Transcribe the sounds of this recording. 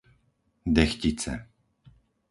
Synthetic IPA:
d̪ɛxcit͡sɛ̰

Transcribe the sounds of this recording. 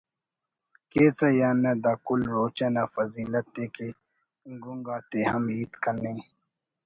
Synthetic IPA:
keːsɐjaːnad̪aːkulɾoːt͡ɕɐnafɐziːlɐt̪̚ːeke | ŋɡuŋɡaːt̪ehɐmliːt̪kɐnẽː

